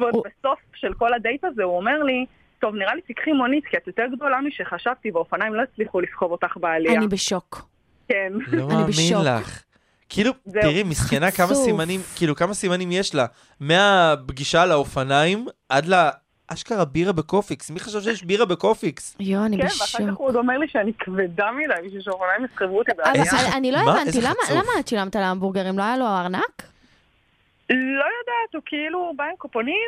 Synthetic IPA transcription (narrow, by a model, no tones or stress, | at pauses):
vbeso̞fʃelko̞lad̪ejt̪azeuomeʁli | t̪o̞vniʁalitikχimonit̪kiat̪jot̪eʁɡd̪o̞lamiʃeχaʃavt̪iveofanajimloit͡sliχulifkovot̪aχbealiaanibeʃok | kenlomaniːeminla̰χ | kiilutiʁimiskenakamasimanimkiːlukamasimanimjeʃla | me̞abɡiʃalaofanaimʔadla | ʔaʃkaʁabiʁabekofiksmiχaʃavʃ̬ejeʃbiʁabekofiksjoanikbenvaʃaud̪omeʁliʃeanikved̪amidajmiʃuʃeofanajimisχevuot̪ibeaveaniloemvanztlamalamat͡ʃilamt̪alaambuʁɡaʁimloajaloaʁnak | lo̞jad̪at̪hukiilubaemkoponim